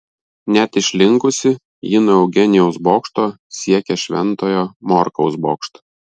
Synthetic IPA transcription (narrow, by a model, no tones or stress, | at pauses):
nʲæt̪ɪʃʲlʲɪŋkʊsʲɪ | jɪnoɛʊɡʲɛnʲɪjɛʊsboːkʃt̪oː | sʲiɛkʲɛʃʲʋʲɛnt̪oːjoːmɔɾkɒʊsboːkʃt̪